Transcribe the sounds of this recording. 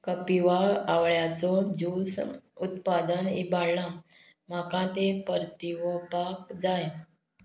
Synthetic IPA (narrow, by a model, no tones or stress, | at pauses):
kəpiʋaaʋɭjat͡sɔd͡ʑusut̪̚pad̪ənibaɽla | m̤akãt̪epəɾt̪iʋəpakd͡zaj